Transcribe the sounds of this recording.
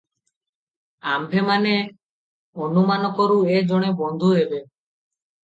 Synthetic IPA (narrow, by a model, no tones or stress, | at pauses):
ambʱemane | onumanɔkɔɾued͡ʒoɽ̃ebɔnd̪ʱuɦebe